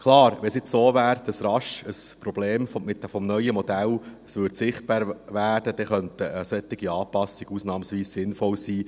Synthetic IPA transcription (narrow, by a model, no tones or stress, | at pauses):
kʰlɑːɾʋɛsɪt͡ssoːʋæːɾd̥ɑsɾɑʃəspɾɔb̥leːmfmɪt̪fɔmnœʏəmɔd̪æləsʋʏɾdsɪχt̚b̥ɑːɾʋæːd̥əd̥̪ɛχœnt̪əəsɛt̪ːɪɡiɑːpɑsɪɡ̥usnɑːmsʋiːssɪnfɔlsiː